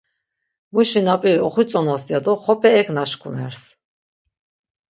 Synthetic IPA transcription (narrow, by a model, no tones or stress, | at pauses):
muʃinapʼiɾɔχit͡sʼɔnɔsjad̪ɔχɔpʰʼɛːkʰnaʃkʰunɛ̰ɾs